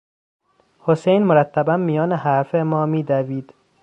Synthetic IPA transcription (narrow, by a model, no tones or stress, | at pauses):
hosejnmoɾæt̪ʰːæbænmijɒːneɦæɾfemɒːmiːd̪æviːd̪̥